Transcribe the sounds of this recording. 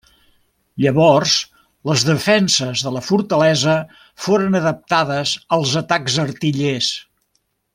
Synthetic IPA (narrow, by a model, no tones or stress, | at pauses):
ʎəβɔrz | ləzðəfɛnsəzðələfuɾt̪əlɛzə | foɾənəðəp̚t̪aðəzəlˠzət̪aɡzərt̪iʎes